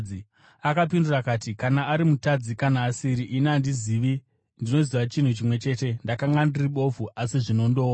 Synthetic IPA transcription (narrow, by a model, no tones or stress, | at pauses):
i | akap̬indurakaːtikanaːɾimutad͡zikanaːsiɾiʔinandiziʋi | ndino̞ziʋat͡ʃin̤ut͡ʃimwe̞t͡ʃe̞ːte̞ndakaŋɡandiriɓo̞fuʔasiʐino̞ndo̞ːwa